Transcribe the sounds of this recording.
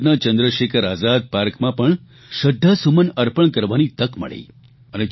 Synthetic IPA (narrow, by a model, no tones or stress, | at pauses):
nat͡ʃə̃nd̪ɾəʃekʰəɾaːzad̪̚paɾkmãpəɳ | ʃəd̪ʱːasumənəɾpəɳkəɾʋanit̪əkmə̰ɭḛ | əne